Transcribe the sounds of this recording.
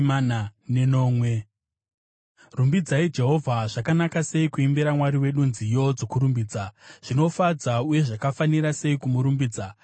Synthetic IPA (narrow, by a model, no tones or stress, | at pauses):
ananeno̞ːmwe | rumbid͡zaid͡ʒe̞ɦo̞vʱaʐakanakase̞ikuimbeɾamwaɾiwe̞ɗunzijo̞d͡zo̞kuɾumbiːd͡zaʐ̥ino̞fad͡zauje̞ʐakafaniɾase̞ikumuɾumbiːd͡za